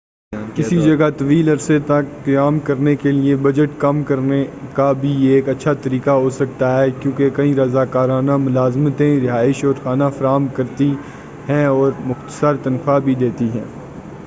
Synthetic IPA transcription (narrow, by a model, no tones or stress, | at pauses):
kɪsid͡ʒɐɡat̪ɐʋiːlɐɾset̪ɐkːjaːmkɐɾnekeliebɐd͡ʒəʈkɐmkɐɾnekabʱieːkɐtːʃʰat̪ɐɾiːkaɦosɐk̚t̪aɦɛːkjõːkekɐɦĩɾɐzaːkaːɾaːnamʊlaːzmt̪ẽɾɪɦaːɪʃɔːɾxaːnafɐɾaːɦmkɐɾt̪i | ɦɛ̃ɔːɾmʊxt̪ə̥səɾt̪ɐnfabʱid̪eːt̪iɦɛ̰̃ː